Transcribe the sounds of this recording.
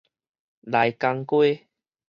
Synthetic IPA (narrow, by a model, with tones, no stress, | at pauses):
la˨˦jka˧ŋkwe˦